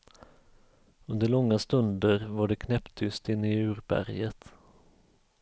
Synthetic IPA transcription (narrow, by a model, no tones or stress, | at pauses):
ɵnd̪əɭɔŋːast̪ɵnd̪əɾvaɖɛkʰnɛpt̪ʰːʏst̪ɪnːɪʉ̟ːɾbæ̰ɾjət̪